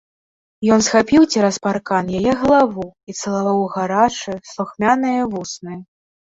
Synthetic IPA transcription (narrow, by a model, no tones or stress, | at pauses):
jɔnsxapʲiwt͡sʲɛɾɐsparkanjajɛɣɐlˠavuit̪sɐlˠavawɣaɾat͡ʂɨslˠuxmʲanɨjɐvusnɨjɐ